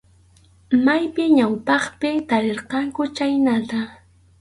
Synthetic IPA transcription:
majpɪɲawpɑχpɪt̪aɾeɾqɑŋkʊt͡ʃajnat̪a

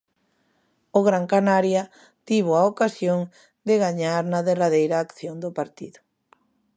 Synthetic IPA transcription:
ʊɣɾaŋkanaɾja | t̪iβ̞oaokasjoŋ | d̪ɪɣaɲaɾnɐðeraðejɾaːkθjond̪ʊpaɾt̪iðʊ

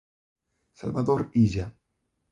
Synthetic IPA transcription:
sa̰lβaðoɾiʒa

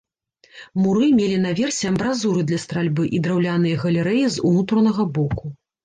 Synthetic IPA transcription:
muɾɨmʲelʲin̪avʲɛrsʲɛɐbɾazuɾɨd̪lʲɐst̪ɾalʲbɨʔid̪ɾawlʲanɨjɐɣɐlʲɛɾɛjizunut̪ɾɐnɐɣɐbɔku

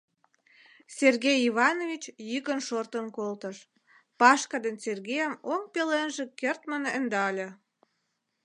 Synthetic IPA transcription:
serɣejiβɑnovʲit͡ɕjykənʃort̪ənkolt̪əʃ | pɑʃkɑd̪enserɣejəmoŋpelenʒĕkert̪mənənd̪ɑlʲĕ

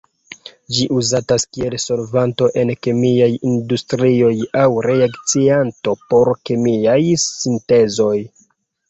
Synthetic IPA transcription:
d͡ʒiʔuzataskie̞lso̞ɾvanto̞ʔe̞nkemiajindustɾio̞jawɾe̞akt͡sianto̞po̞ɾkemiajsinte̞zo̞j

